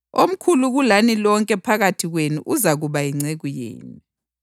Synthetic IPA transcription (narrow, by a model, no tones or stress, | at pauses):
om̩kʰuluɣulanilɔŋkʼɛpʰaɣatʰiɣwenuʔuzaɣuβaiŋ͡ǀeɣujḛːnu